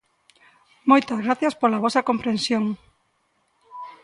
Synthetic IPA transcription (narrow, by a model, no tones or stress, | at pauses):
mojt̪ɐzɣɾaθjɐspolaβ̞ɔsɐkompɾẽnsjoŋ